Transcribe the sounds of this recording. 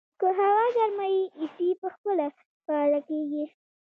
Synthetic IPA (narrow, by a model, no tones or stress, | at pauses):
kəɦawɑɡaɾmajiisipəxpəla | pɑlakeɡi